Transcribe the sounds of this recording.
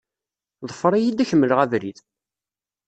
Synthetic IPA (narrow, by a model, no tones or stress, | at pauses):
ðˤəfəɾˤijid̪æçəmːələʁævɾið